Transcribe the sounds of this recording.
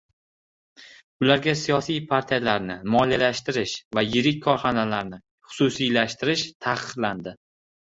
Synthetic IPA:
ʊlaɾɡʲasijɒsijpʰaɾt̪ʰijalaɾnɪmɒlijalaʃt̪ɪɾɪʃvajɪɾɪk̚ʲkʰɒɾχɒnalaɾnɪ | χʊ̥susijlaʃt̪ɪɾɪʃt̪ʰaqʰɨɾland̪ɪ

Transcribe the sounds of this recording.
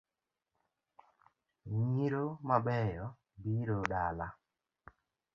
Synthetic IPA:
ɲiɾomaɓɛjɔ | biɾoɗala

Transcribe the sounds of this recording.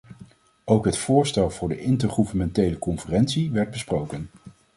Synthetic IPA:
owkɦətfʊːɹstɛlˠvʊːɹdəʔɪntəɹχuvənmɛntejləkɔnfərɛnsiʋɛɹd̚bəsprowkən

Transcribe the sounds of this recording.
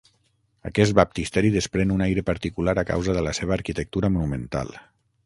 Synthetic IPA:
ə̰kɛst̪̚bap̚t̪ist̪ɛɾiðəspɾenunajɾəpəɾt̪ikulaɾaka̰wzəðələseβ̞əːɾkit̪ək̚t̪uɾəmunumənt̪a̰lˠ

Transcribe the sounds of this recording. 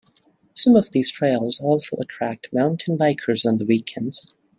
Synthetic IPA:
sʌ̃mʌvðiz̥tʰɹ̥eɪlˠzɔlˠsoʊʔətʰɹ̥æk̚tmãʊ̃ntʰɨ̃n̩baɪkʰə˞zn̩ðəwikʰɛ̃ndz̥

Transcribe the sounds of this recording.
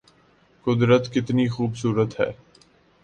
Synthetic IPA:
kʊd̪ɾət̪kɪt̪nixuːbsuːɾət̪ɦɛ̰ː

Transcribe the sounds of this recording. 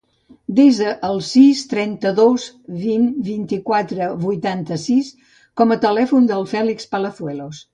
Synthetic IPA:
d̪ezəʔːlˠsist̪ɾɛnt̪əðoz | βinbint̪ikwat̪ɾəβujt̪ant̪əsis | kɔmət̪əlɛfund̪əlˠfɛlikspələθwɛlos

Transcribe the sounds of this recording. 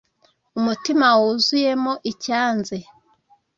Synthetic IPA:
umutimawuzujemoʔicaːnze

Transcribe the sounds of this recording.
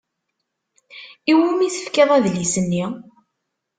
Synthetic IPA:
iwumiθə̥fkeðˤæðlisənːi

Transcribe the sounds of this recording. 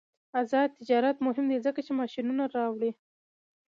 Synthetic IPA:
azɑt̪ɪd͡ʒɑɾat̪mʊɦɪmd̪ezəkat͡ʃemɑʃinunaɾɑwɽi

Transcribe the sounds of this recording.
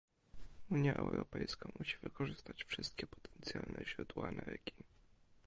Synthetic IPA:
uɲjaʔɛ̰wɾɔpɛjskamʔuɕivɘkɔʐɘst̪at͡ɕfʂɘst̪̚kʲɛpɔ̥t̪ʰɛ̥nt̪sʲjalnɛʑɾud̪waamɛɾɘkʲi

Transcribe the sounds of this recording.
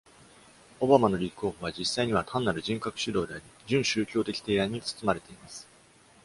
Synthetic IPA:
o̞bamano̞ɾʲiko̞ːɸoβ̞ad͡ʑisːaiɲ̟iβat̪ʰãnːaɾɯ̟ʑĩŋkakɯ̥ɕɨd̪o̞ːd̪e̞aɾʲid͡ʑɨ̃ɰ̃ɕɨːkʲo̞ːt̪e̞kʲi̥t̪e̞ːã̟it͡sɨ̥t͡sɨmaɾe̞t̪e̞imasɨ̥

